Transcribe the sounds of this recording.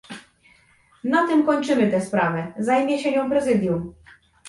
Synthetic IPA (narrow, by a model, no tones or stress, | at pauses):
nat̪ɘmkɔɲt͡ʂɘmɘt̪ɛspɾavɛzajmʲjɛɕɛɲɔ̃w̃pɾɛzɘd̪jum